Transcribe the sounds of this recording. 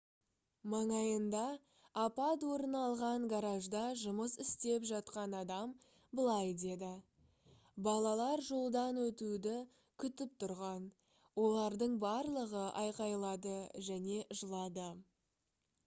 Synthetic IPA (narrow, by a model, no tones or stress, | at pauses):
mɑɴɑjənd̪ɑː | pɑt̪wo̞ɾənɑlˠʁɑɴɡaɾaʒd̪ɑʒʊməsɪst̪e̞pʒɑt̪qɑnɑd̪ɑm | bəlˠɑjd̪e̞d̪ɪ | bɑlˠɑlˠɑɾʒo̞lˠd̪ɑnwɵt̪ud̪ɪ | kʲʰʏt̪ɪp̚t̪ʰʊɾʁɑn | wo̞lˠɑɾd̪əɴbɑɾlˠəʁəʔɑjqɑjlˠɑd̪əʒæne̞ʔʒəlˠɑd̪ə